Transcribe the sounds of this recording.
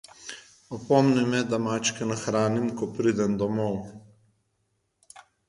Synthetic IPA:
ɔpɔmnɛmɛd̪amaːt͡ʃkɛnaxɾaːnimkɔpɾid̪ɛnd̪ɔmɔw

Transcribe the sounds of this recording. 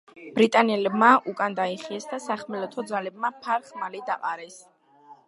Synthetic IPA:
b̥ɾit̪ʼanɛlɛbmaʔukʼand̪aiχiɛsd̪asaχmɛlɔt̪ʰɔd̪zalɛb̚mapʰaɾχmalid̪aqʼaɾɛs

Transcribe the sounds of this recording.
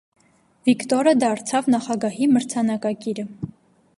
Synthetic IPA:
vikt̪ɔɾəd̪ɑɾt͡sʰɑvnɑχɑɡɑɦiməɾt͡sʰɑnɑkɑkiɾə

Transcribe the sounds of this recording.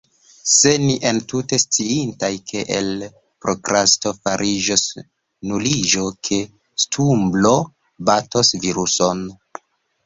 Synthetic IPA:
se̞niʔentute̞st͡siintajkʰe̞ʔel | pɾokɾastofaɾʔid͡ʒos | nulid͡ʒo̞kʰe̞ | stʰumblo̞ | batosviɾuson

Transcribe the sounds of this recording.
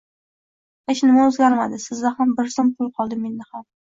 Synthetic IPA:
eʃnɪmaɵzɡʲaɾmad̪ɪsɪzd̪ahambɪɾsɒmqʰʊlˠqʰɒlˠd̪ɪme̞nːɪham

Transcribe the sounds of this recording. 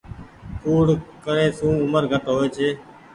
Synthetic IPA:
kuːɽkəɾẽːsũːʊməɾɡʱəʈɦoːeːt͡ʃʰeː

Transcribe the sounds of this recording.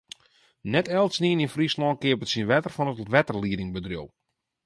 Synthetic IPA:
nɛtɛlˠtsniəninfrislɔn̚kɪəpətsinʋɛtərfɔnətʋɛtərliədɪŋbədrjo̰lˠ

